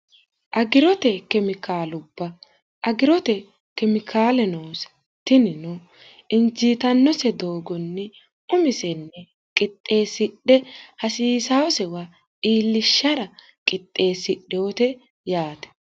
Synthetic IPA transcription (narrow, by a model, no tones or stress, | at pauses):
ʔɐɡɪɾɔt̪ɛkɛmɪkaːlʊbːɐ | ʔɐɡɪɾɔt̪ɛ | kɛmɪkʰaːlɛnoːs | t̪ːɪnɪnʊ | ɪnd͡ʒiːt̪ɐnːɔsɛd̪oːɡɔnːɪ | ʊmɪsɛnːɛ | kʼɪt̪ʼːe̞ːsɪɗːɛhɐsiːsawɔsɛwa | iːlːɪʃːɐɾɐ | kʼɪt̪ʼːe̞ːsɪɗɛot̪ɛ | jaːt̪ɛ̥